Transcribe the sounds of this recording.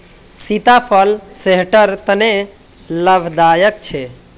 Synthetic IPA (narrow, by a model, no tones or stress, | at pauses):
sit̪apʰəlseɦʈəɾt̪əne | ləbʱd̪ajəkt͡ʃʰe